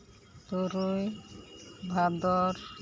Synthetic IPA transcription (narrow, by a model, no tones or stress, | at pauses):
t̪uɾuj | bʱad̪ɔɾ